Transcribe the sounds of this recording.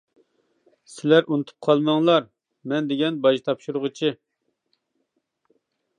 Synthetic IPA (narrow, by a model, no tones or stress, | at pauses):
sɪlæɾʔunɨt̪ʰu̥p̚qʰɑlˠmɑŋlˠɑɾ | mɛnd̪ɪɡʲɛnbɑʒt̪ʰɑpʃuɾʊʁət͡ʃʰi